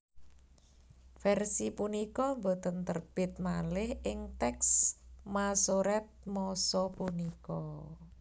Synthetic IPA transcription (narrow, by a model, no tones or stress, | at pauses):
fɛrsipunikɔmbot̪ənt̪ərb̥ɪt̪̚malɪhʔɪŋt̪ɛksmasoɾɛt̪̚mɔsɔpunikɔ